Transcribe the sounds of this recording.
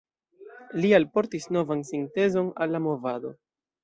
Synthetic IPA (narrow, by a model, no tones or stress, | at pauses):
lialpo̞ɾtisno̞vansinte̞zo̞nalːamo̞vado̞̰